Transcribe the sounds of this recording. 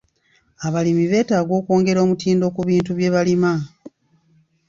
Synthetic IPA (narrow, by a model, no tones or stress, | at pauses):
aβalimiβe̞ːtaːɡo̞ːko̞ːŋɡe̞ɾo̞ːmutiːndo̞kuβiːntuβje̞βalima